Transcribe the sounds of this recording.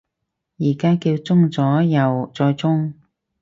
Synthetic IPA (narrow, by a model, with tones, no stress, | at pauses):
jiː˨˩kaː˥kiː˧wt͡sʊ˥ŋt͡sɔː˨˥jɐ˨˩wt͡sɔː˧jt͡sʊ˥ŋ